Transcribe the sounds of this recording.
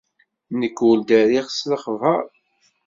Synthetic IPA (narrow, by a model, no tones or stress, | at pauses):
nəkːuld̪æɾiʁsləχəvə̰ɾˤ